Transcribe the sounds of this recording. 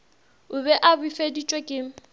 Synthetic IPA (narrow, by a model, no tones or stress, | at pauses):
ʊbɛʔabifedit͡ʃʼwekʼɪːŋ̩